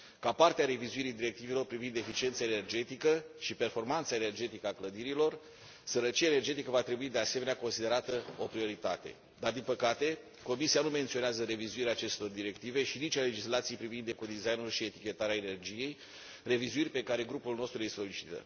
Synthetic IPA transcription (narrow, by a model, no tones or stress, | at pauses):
kapart̪eaɾe̞vizuiɾijd̪iɾe̞k̚t̪ive̞lo̞rpɾivind̪e̞fit͡ʃient̪saene̞rd͡ʒe̞t̪ikəʃipe̞rfo̞rmant̪sae̞ne̞rd͡ʒe̞t̪ikəakləd̪iɾilo̞r | səɾət͡ʃijaene̞rd͡ʒe̞t̪ikəvat̪ɾe̞buid̪e̞ase̞menako̞nsid̪e̞ɾat̪əo̞pɾio̞ɾit̪at̪e̞̰ | d̪ard̪inpəkat̪e̞ | ko̞misianume̞nt̪sio̞neazəɾe̞vizuiɾeaːt͡ʃe̞st̪o̞rd̪iɾe̞kt̪ive̞ʃinit͡ʃʲale̞d͡ʒislat̪sijpɾivind̪eko̞d̪izajnulʃie̞t̪ikʲe̞t̪aɾeaene̞rd͡ʒije̞j | re̞vizuirʲpe̞kaɾe̞ɡɾupulno̞st̪ɾujeso̞lit͡ʃi̥t̪ə̰